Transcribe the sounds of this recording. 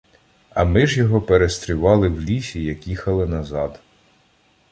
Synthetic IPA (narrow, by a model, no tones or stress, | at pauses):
ɐ̰mɪʒjɔɦɔpeɾest̪ɾʲʊʋɑlˠɪwlʲisʲijɐkʲixɐlˠɪnɐzɑd̪